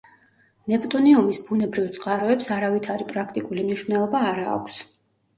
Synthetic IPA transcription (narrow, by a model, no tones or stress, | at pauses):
nɛpʼt̪ʼuniumisbunɛbɾivt̪sʼqʼaɾɔɛpsaɾavit̪ʰaɾipʼɾakʰt̪ʼikʼulimniʃvnɛlˠɔbaːɾa̰ːkʷʰs